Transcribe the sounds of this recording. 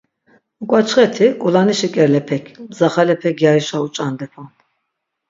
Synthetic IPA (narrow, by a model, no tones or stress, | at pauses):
kʼwat͡ʃʰχɛt̪ʰikʼulaniʃikʼɛɾlɛpʰɛkʰmzaχalɛpʰɛkjaɾiʃaut͡ʃʼand̪ɛpʰɔn